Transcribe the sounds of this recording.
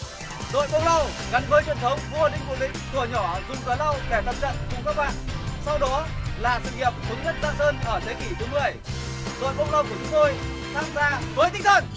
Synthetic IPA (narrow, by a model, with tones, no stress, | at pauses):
ɗo̰˧˨jɓə˧wla˧wɣa˨˦nvəː˨˦jt͡ɕwi˨˩ənt̪ʰə˨˦wŋ͡mvʔə˧nɗï˧˨ŋ̟kṵ˧˩˨ɗï˧˥ŋ̟t̪u˨˩əɲɔ˧˩zʊ˨˩ŋ͡mkaː˨˦la˧wɗɛ˧˩lə˨˩p̚t͡ɕə̰˧˨nkʊ˧˩ŋ͡mkaː˦˥k̚ɓa̰ː˧˨nsa˧wɗɔ˨˦laː˨˩sɨ̰˧˨ŋi˨˩əp̚xɨ˨˦ŋzə˦˥t̚zə̰˧˨nʔəː˧nʔəː˧˩t̪ʰe˨˦ki˧˩t̪ʰɨ˨˦mɨ˨ə˨˩j | ɗo̰˧˨jɓə˧wla˧wku˧˩ət͡ɕʊ˨˦ŋ͡mt̪o˧j | t̪ʰaː˧mzaː˧vəː˨˦jt̪ʰï˦˥ŋ̚t̪ʰə̰˧˨n